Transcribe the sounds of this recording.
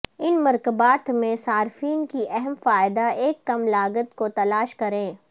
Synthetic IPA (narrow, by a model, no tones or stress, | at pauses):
ɪnmɐɾkəbaːt̪mẽsaːɾfiːnkiʔɛɦɛmfaːɪd̪aeːkːɐmlaːɡət̪kot̪ɐlaːʃkɐɾẽː